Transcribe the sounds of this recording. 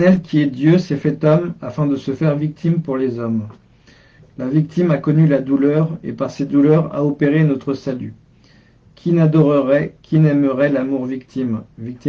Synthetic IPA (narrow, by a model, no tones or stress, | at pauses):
ɛlkʲʰiɛd̪jøsɛfɛt̪ɔmafɛ̃d̪əsəfɛʁvik̚t̪ʰimpuʁlezɔm | lavik̚t̪imakɔnylad̪ulœʁḛpaʁsed̪ulœʁa̰opeʁenɔt̪χəsaly | kʲʰinad̪ɔʁəʁɛkʲʰinɛməʁɛlamuʁvik̚t̪ʰimvik̚t̪i